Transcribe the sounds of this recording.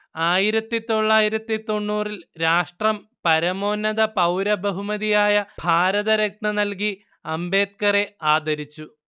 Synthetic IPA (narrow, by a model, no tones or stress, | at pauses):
aːjiɾɐt̪ːit̪o̞ɭːaːjiɾɐt̪ːit̪o̞ɳːuːrilɾaːʂʈrɐmpɐɾɐmo̞ːnːɐðɐpɐwɾɐbɐɦumɐðijaːjɐb̥ʱaːɾɐðɐɾek̚nɐnɐlk̬i | ɐmbe̞ːt̪̚kɐre̞aːd̪ɐɾit͡ɕːu